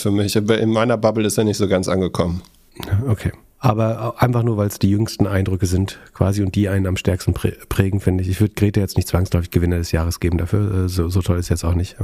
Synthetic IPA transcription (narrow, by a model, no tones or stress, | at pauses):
fyɐmɪçabaʔɪnmaɪnɐbabl̩ɪsteːɐnɪçtz̥oːɡant͡sʔa̰nɡəkʰɔmən | aokʰeː | ʔaːbɐʔaɪnfaχnuːɐvaɪlsd̥iːjʏŋstn̩ʔaɪndʁʏkəzɪntkv̥a̰ːziʊnt̚d̥iːʔaɪnənamʃtɛɐkstn̩pːpʁ̥ɛːɡŋ̩fɪndəɪçɪçv̥ʏɐdəɡʁeːtəjɛt͡stnɪçtt͡sv̥aŋslɔʏfɪçɡ̥əvɪnɐdɛsjaːʁ̞əsɡ̥eːbm̩dafyːɐʔɛːzoːzotʰɔlɪstjɛstaʊxnɪçt